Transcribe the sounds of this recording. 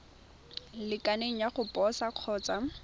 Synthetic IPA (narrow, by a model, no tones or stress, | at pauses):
lɪkʼaneŋ̩jaχʊpʼɔsaq͡χʰɔːt͡sʼa